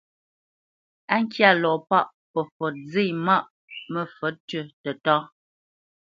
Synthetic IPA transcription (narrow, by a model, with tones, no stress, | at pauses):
a˦ŋ̩˦kja˦˨lɔː˨pa˦˨ʔ | pə˨fɔ˨d͡ze˦˨ma˦˨ʔ | mə˦˨fə˨˦tɥə˦˨tə˨tɔ˦